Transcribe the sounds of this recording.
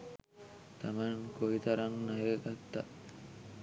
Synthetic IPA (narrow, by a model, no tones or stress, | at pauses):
t̪amankoit̪aɾaŋːajek̪akt̪ːa̰